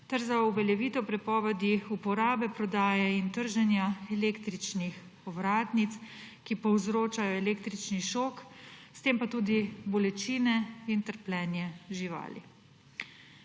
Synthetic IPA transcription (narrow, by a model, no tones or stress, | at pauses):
t̪ɛɾzauʋɛljɛʋiːt̪ɔpɾɛpɔːʋɛd̪iupɔɾaːbɛpɾɔd̪aːjɛint̪əɾʒɛnjaɛleːkt̪ɾit͡ʃnix | ɔʋɾaːt̪nit̪s | kipɔwzɾoːt͡ʃajɔɛleːkt̪ɾit͡ʃniʃoːkst̪eːmpat̪uːd̪ibɔlɛt͡ʃiːnɛint̪əɾplɛːnjɛʒiʋa̰ːlḭ